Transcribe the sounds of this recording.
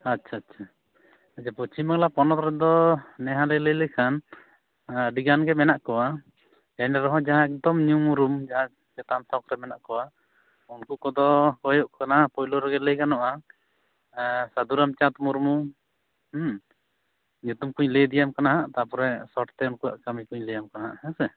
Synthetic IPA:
atːʃʰaːtːt͡ʃʰa | ad͡ʒaput͡ʃimaklapɔnɔt̪ɾɛd̪ɔnɛɦãlələjlɛkʰan | ɖiɡanɡɛmɛnaʔkɔwa | jaɲaɾɔɦɔ̃d͡ʒaɦãɛk̚d̪ɔmɲumuɾumd͡ʒaɦã | d͡ʒɛt̪amt̪ɔkɾɛmɛnaʔkɔwa | unkukɔd̪ɔkɔjɔʔkanaapɔjlɔɾɛɡɛləjkanɔʔa | sad̪uɾamt͡ʃat̪muɾmu | ɲut̪umkuɲləjd̪ijamkanaɦaʔt̪apɔɾɛsɔʈt̪ɛunkuwa̰ʔkamikuɲləjamkanaɦaʔhɛsɛ

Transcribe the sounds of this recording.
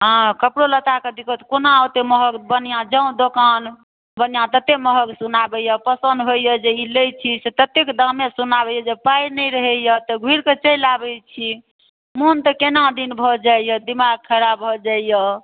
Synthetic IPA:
ɦə̃kəpɽolət̪aked̪ikot̪konat̪eməɦəɡbənjãd͡ʒə̃ũd̪okan | bənjãt̪ət̪eməɦəksunabɛjəpəsənd̪ɦojjəd͡ʒeilejt͡ʃʰiset̪ət̪ekd̪ãmesunabɛjəd͡ʒepajnəjɾəɦɛjət̪əɡʱiɾket͡ʃəjlabɛt͡ʃʰi | munt̪əkenãd̪inbʱɔd͡ʒaijəd̪imaɡ̚kʰəɾabɦɔd͡ʒaijə

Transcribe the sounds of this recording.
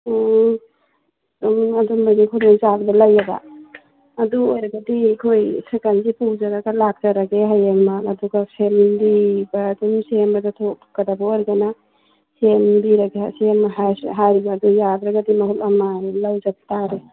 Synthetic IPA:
adumbajnikʰulɔŋzabdɐlɐjaɡa̰ː | duojɾɐɡɐdikʰojsekanzipud͡ʒaɾaɡalak̚d͡ʒaɾaɡeɦajaŋmaːduɡapʰembibadumsembɐdatʰok̚ʰkːadabaojɾɡana | sembiɾaɡeasemaɦaɦaɾibaːdujadɾɐɡadimɐhulɐmalawd͡ʒab̚t̪aɾe

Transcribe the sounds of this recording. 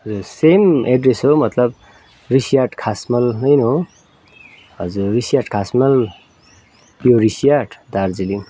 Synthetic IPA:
ʌd͡zuɾsemeɖresɦomʌt̪lʌb | risijaʈkʰasmʌlnʌjno | ɦʌd͡zuɾːisijaʈkʰasmʌl | joɾisijaʈʰd̪aɾd͡zili

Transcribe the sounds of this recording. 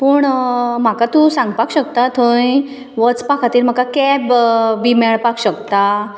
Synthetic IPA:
pəːɳm̤akat̪ũsãŋɡpakɕək̚t̪at̪ʰəj | ʋət͡spakʰat̪iːlm̤akakɛbbimɛɭpakɕəkt̪a

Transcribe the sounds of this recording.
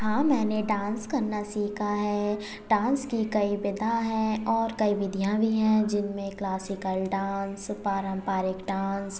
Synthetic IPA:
ɦãːmɛ̃ːneɖãːnskɐɾnasiːkʰaɦɛː | ɖãːnskikɐibɪd̪ʱãɦɛ̃ɔːɾkɐiʋɪd̪ʱijãbʱiɦɛ̃d͡ʒɪnmẽklaːsɪkəlɖaːnspaːɾə̃mpaːɾɪkɖaːns

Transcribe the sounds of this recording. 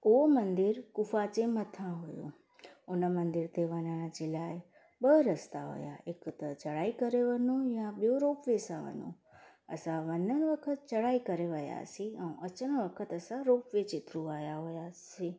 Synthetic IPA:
ʊɦomɐ̃nd̪ɪɾkʊfat͡ɕemət̪ʰãɦʊjo̰ | ʊnəmənd̪ɪɾt̪eʋɐnəɽ̃əd͡ʑelaːɪ | ɓəɾəst̪aɦo̰ja̰ekt̪ət͡ɕɐɽaːikəɾeʋənojãɓijoɾoːpʋesãʋə̰no̰ | ɐ̰sãʋənənʋəkʰət̪̚t͡ɕəɽaːikəɾeʋəja̰sĩɛ̃ũʔɐt͡ɕəñəʋəkʰət̪əsãɾoːpʋet͡ɕɪt̪ɾũaːjaɦojasi

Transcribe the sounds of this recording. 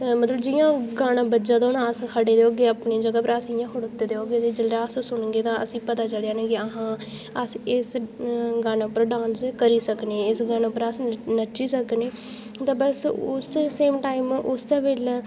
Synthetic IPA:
mət̪ləbd͡ʒɪjãːɡaːnãːbəd͡ʒãːd̪anaːskʰəɽeːd̪eːɦoːɡeːaːpneːd͡ʒəɡaːpɾaːsɪjãːkʰəɽʊt̪ːeːd̪eːɦoːɡeːt̪eːd͡ʒəlɾaːssʊnɡeːt̪ãːə̰sĩːpət̪aːt͡ʃəljaːnẽːkɪəɦãː | əsɪsɡaːnaːʊpːəɾɖãːnskəɾiːsəkneːɪsɡaːnapəɾasnət͡ʃiːsəkneː | t̪ãːbəsʊsseːmʈaːɪmʊsaːʋɪl

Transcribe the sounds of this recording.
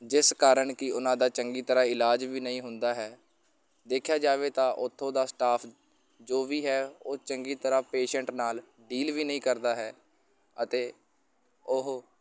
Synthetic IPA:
d͡ʒɪskaːɾəɳkɪʊnãːd̪aːt͡ʃəŋɡiːt̪əɾaːɪlaːd͡ʒʋiːnəĩːɦʊnd̪aːɦɛː | d̪eːkʰːjaːd͡ʒaːʋeːt̪ãːʔʊt̪ʰːõːd̪aːsʈaːpʰ | d͡ʒoːʋiːɦɛːoːt͡ʃəŋɡiːt̪əɾaːpeːʃəɳʈnaːl | ɖiːlʋiːnəĩːkəɾd̪aːɦɛː | ət̪eː | ʊɦ

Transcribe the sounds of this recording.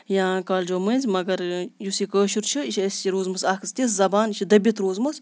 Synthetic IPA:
jãːkaːld͡ʒoːmənʲzʲmɐɡɐɾjusikəːʃuɾt͡ʃʰɨiʃɐsʲiɾoːzmɐsaːkʰɨst̪iszɐbaːniʃʰid̪ɐbʲit̪ɾoːzmɐs

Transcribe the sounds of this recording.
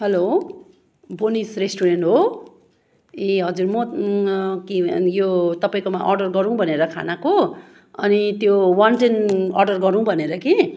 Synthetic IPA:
ɦʌlo | bonisresʈuɾenʈɦo | iɦʌd͡zuɾmʌ | kijot̪ʌpaĩkomaʔʌrɖʌrɡʌɾũw̃bʱʌneɾʌkʰa̰nako | ʌnit̪jowanʈenʌrɖʌrɡʌɾũbʱʌneɾʌki

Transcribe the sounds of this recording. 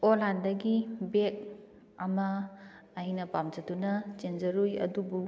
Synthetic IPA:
olandɐɡibek̚ | ɐmɐː | jnɐpamd͡ʒɐdunɐd͡ʒend͡ʒɐɾujɐ̰dubu

